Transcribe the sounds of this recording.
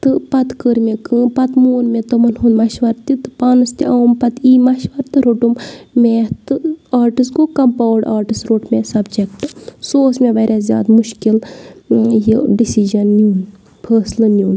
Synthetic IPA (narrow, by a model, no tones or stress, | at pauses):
t̪ɨpɐt̪kəɾmʲekɨpɐt̪moːnmet̪ɐmɐnɦund̪mɐʃʋɐɾt̪it̪ɨ̥paːnɨst̪iʔaːmpɐt̪iːmɐʃʋɐɾt̪ɨɾoʈummʲeːt̪ɨaːɾʈisɡokɐmpaːwɖaːɾʈisɾoːʈmʲeːsɐbd͡ʒekʈɨsoːsmʲeʋɐɾʲʔazʲja̰ːd̪muʃkil | jiɖisid͡ʒɐnːuːn | pʰəːslɐnjuːn